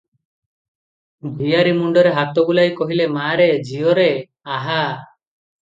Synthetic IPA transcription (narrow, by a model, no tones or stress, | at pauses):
bʱijaɾimuɳɖɔɾeɦat̪ɔɡulajkɔɦilemaɾed͡ʒiɔɾe | aɦa